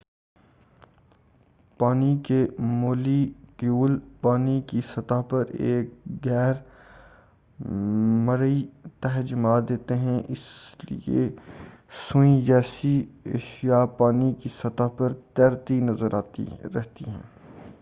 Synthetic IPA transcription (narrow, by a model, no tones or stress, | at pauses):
paːnikemoːlikjuːlpaːnikisɐt̪aːpɐɾeːk̚ɡɛːɾ | mɐɾit̪ɛɦd͡ʒmaːd̪eːt̪eɦɛ̃ʔɪslḭḛ | sʊ̃ĩd͡ʒɛːsiḛːʃijapaːnikisɐt̪aːpɐɾt̪ɛːɾt̪inɐzəɾaːt̪ḭɾɛɦt̪iɦɛ̰̃ː